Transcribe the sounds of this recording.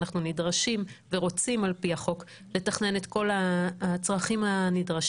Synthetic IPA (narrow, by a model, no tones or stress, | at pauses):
aχnunidʁaʃimve̞ʁo̞t͡simalpiaχo̞k | le̞taχne̞net̪ko̞lat͡sʁaχimanidʁaʃ